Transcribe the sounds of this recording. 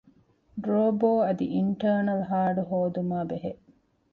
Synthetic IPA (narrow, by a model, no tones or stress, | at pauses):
ɖɾoːboːɐd̪iiɳʈɐːnɐlɦaːɖuɦoːd̪umaːbeɦeʔ